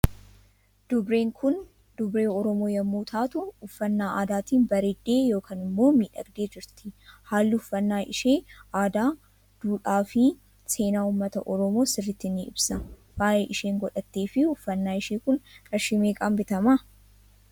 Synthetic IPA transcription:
d̪̥ʊbɾe̞ːŋkʰʊn | d̪̥ʊbɾe̞ːɔɾɔmoːjɐmːuːt̪ʰaːt̪ʊʊfːɐnːaːʔaːd̪aːt̪iːnbɐɾeːd̪ːe̞ːjo̞ːkʰaːnɪmːo̞ːmiːᶑɐ̰ɡd̪e̞ːd͡ʒɪɾt̪ɪhaːlːɪʊfːɐnːaːʔɪʃe̞ːʔaːd̪aː | d̪̥uːᶑaːfɪ | se̞ːnaːuːmːɐt̪ɐʔɔɾɔmo̞ːsɪrːɪt̪ːɪnːɪɪ̰bsɐ | waːjeːʔɪʃe̞ːŋɡɔᶑɐt̪ːe̞ːfɪʊfːɐnːaːɪʃeːkʊŋkʼɐʃɪme̞ːkʼɐmbɪt̪ɐma

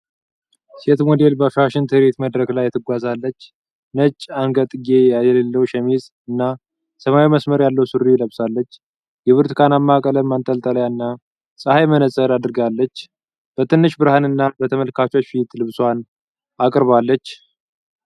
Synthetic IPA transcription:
se̞t̪mod̪e̞lbəafɾaʃɪnt̪ʰɨhɨɾet̪məd̪ɾəklajːɛt̪ʰɨɡʷazalːət͡ʃː | nət͡ʃʼːaŋɡət̪ʼɨɡe̞jajɛlelːəwʃɛmiz | ɨnːa | səmawiməsməɾjalːəwsɨɾijləβsalːət͡ʃː | jɛβɨɾt̪ɨ̥kʰanamːakʼələmːant̪ʼəlt̪ʼələjaɨnːa | sʼəhajmənəsʼəɾad̪ɾɨɡalːət͡ʃː | b̥ət̪ʰɨnːɨʃbɨɾhanɨnːabət̪ʰəməlkʰat͡ʃo̞t͡ʃːfit̪lɨβswan | akʼɨɾβalːət͡ʃː

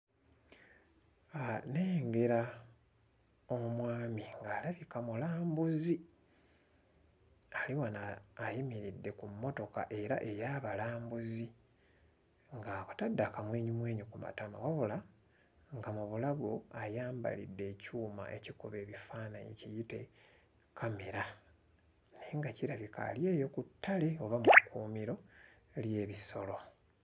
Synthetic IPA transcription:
aneːŋɡe̞ɾa | omwaːmiŋɡaːlaβikamulaːmbuzi | aliwanaːjimiɾidːe̞kumːo̞to̞ka̰ʔe̞ɾaʔe̞jaːβalaːmbuzi | ŋɡakḁtadːakamweːɲumwe̞ːɲukuma̰tamo̰waβula | ŋɡamuβulaɡo̞ajaːmba̰lḭdːe̞ːcuːma̰ʔe̞cikuβe̞ːβifaːnaɲḭcijite | kʰameɾa | neŋɡaciɾaβika̰lje̞ːjo̞kutʰːale̞o̞βamukuːmiɾo̞ | lje̞ːβiso̞lo̞

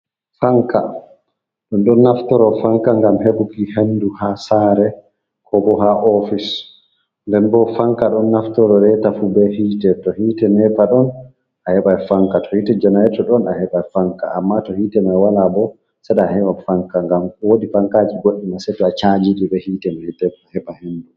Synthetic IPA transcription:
faŋka | ɗunɗɔnːaftɔɾɔfaŋkaŋɡamheɓukihenduhasaɾɛ | kʰɔbɔɦaʔɔfis | ndɛnbɔfaŋkaɗɔnːaftɔɾɔɾɛtafubɛhiːtɛtɔhiːtɛnɛpaɗɔn | ahɛɓajfaŋkatɔhiːtɛd͡ʒanajɛtɔɗɔnahɛɓajfaŋka̰a̰mːatɔhiːtɛmajwalabɔ | sɛɗaːhɛɓafaŋkaŋɡamwoɗifaŋkad͡ʒiɡoɗːimasɛtɔat͡ʃad͡ʒiɗibɛhiːtɛmɛtɛahɛɓahendu

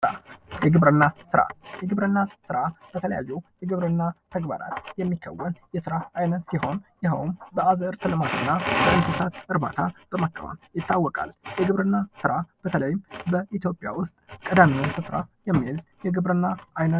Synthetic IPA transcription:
ɾa̰jɛɡɨβɾɨnːasɨɾa̰jɛɡɨβɾɨnːasɨɾab̥ət̪ʰələja̰jːɛwjɛɡɨβɾɨnːat̪ʰəɡba̰ɾa̰t̪jɛmːikʰːə̰wːənjɛsɨɾaʔajnət̪siho̞njɪɦəwnbəazəɨɾt̪ʰɨlɨmat̪ʰɨnːabəʔɨnsɨsat̪ɨɾba̰t̪ʰab̥əmakʰːə̰ma̰mjɪt̪ʰːawːɔkʼa̰ljɛɡɨβɾɨnːasɨɾab̥ət̪ʰələjɪmbəit̪ʰjo̞pʼɪja̰wʊst̪ʼkʼəd̪amiwʊnsɨfɾa̰jɛmːihzjɛɡɨβɾɨnːaʔajnə

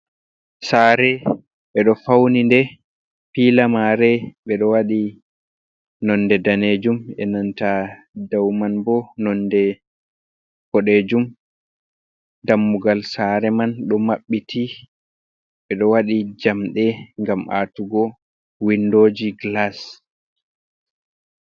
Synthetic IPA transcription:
saɾɛ | ɓɛɗɔfawnindɛ | pilamaɾɛɓɛɗɔwaɗi | nɔndɛdaned͡ʒumɛ̰nanta | dawmanbɔnɔndɛ | b̥ɔɗed͡ʒum | damːuɡalsaɾɛmanɗɔmaɓːitʰi | ɓɛɗɔwaɗid͡ʒamɗɛŋɡamʔa̰tuɡɔ | windod͡ʒiɡlas

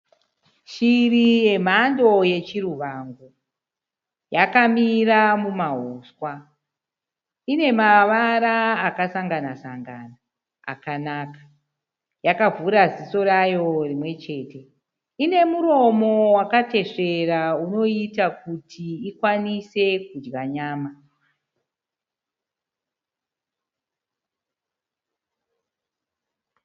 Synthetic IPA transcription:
ʃirije̞m̤ando̞je̞t͡ʃiruʋaːŋɡo | jakamiramumaɦoːswa | ine̞maʋaɾaːkasaŋɡanasaŋɡaːna̰ː | kanaːkḁ | jakavuɾaziso̞ɾajo̞rimwe̞t͡ʃe̞ːte̞ | ine̞muɾo̞mo̞wakate̞ʂe̞rauno̞itakutʰiikwanise̞kud͡ʒɡaɲaːma

